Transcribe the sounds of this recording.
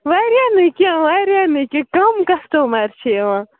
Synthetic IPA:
ʋaːɾjaːnɨkãʋaːɾjaːnɨkikɐmkɐsʈomaɾt͡ʃʰewã

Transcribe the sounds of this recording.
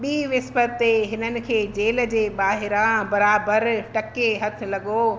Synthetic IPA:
ɓiːʋɪspət̪eɦɪnənɪ̆kʰeːd͡ʑeːl̆d͡ʑeːɓaːɦɪɾãbɐɾaːbəɾʈɐkeɦɐt̪ʰɪ̆lɐɡo

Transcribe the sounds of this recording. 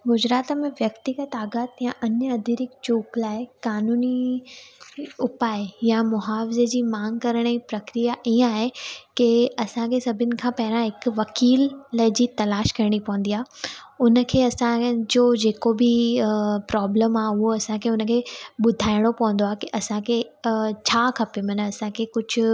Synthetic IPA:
ɡʊd͡ʑɾaːt̪mẽʋjɐkt̪ɪɡət̪aːɡaːt̪jãʔɐɲəɐd̪ʱiɾɪkt͡ɕuːklaːɦekaːnuːni | ʊpaːɪjamʊɦaːfɪzed͡ʑiːmãːŋɡkɐɾəɽ̃ipɾɐkɾijaʔiːə̃aːɦekɪɐsãkʰesɐbʱɪnɪ̆kʰãːpɐɦɪɾãɦɪkʋɐkiːlːɐɪd͡ʑiːt̪ɐlaːʃkɐɾɪɽ̃ipɐʋə̃n̆d̪iaːɦʊnə̆kʰeːɐsãd͡ʑoːd͡ʑeːkobɪ | pɾɔːbləmaːʊɦoɐsãkʰeʊnə̆kʰeːɓʊd̪ʱaːɪɽ̃opɐʋə̃nd̪oaɦekiʔɐsãkʰet͡ɕʰaːkʰɐpemɐnəɐsãkʰekʊd͡ʑʱʊ

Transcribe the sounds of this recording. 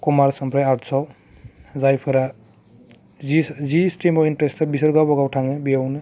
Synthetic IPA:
kumaɾsɔmpʰɾajaɾʈsʰɔw | zajpʰɯɾa | izisʈimɔinʈɾesʰabisəɾɡabɔɡawʈʰaŋɯbijawnɯ

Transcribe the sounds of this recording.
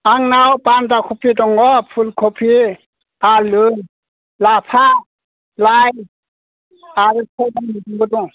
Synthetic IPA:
aŋnawpantakʰɔpʰidɔŋɡɔpʰulkʰɔpʰi | alɯj | lapʰa | laj | aɾɯkʰadaŋniduŋɡɯduŋ

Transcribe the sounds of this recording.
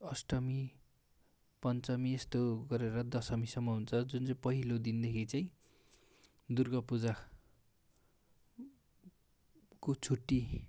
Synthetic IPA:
ʌsʈʌmi | pʌnt͡sʌmiest̪oɡʌɾeɾʌd̪ʌsʌmisʌmːʌɦunt͡sʰʌd͡zunt͡saĩpʌɦilod̪ind̪ekʰit͡sajĩ | d̪urɡʌpud͡za | kot͡sʰuʈːi

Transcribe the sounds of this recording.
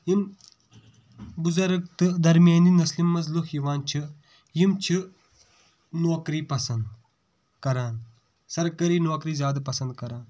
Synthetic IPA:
jim | bʊzɐɾk̚t̪ɨd̪ɐɾmjaːniːnɐslimːɐzluxjiʋaːnt͡ʃʰi | jimt͡ʃʰi | noːkɾiːpɐsɐnd̪ | kɐɾaːn | sɐɾkɐɾiːnoːkɾiːzjaːd̪apɐsɐ̃nd̪̚kɐɾaːn

